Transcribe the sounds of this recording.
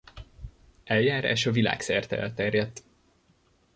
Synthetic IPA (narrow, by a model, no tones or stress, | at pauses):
ɛljaːɾa̰ːʃɒvila̰ːksɛrt̪ɛ̰lt̪ɛrjɛt̪ː